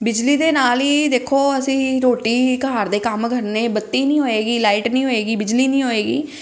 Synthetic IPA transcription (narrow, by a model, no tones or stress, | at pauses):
bɪd͡ʒliːd̪eːnaːliːd̪eːkʰoːəsĩːɾoːʈiːkaːɾd̪eːkəmɡʱəɾneːbət̪ːiːnĩːɦoːeːɡiːlaːiːʈnĩːɦoːeːɡiːbɪd͡ʒliːnĩːɦoːeːɡḭː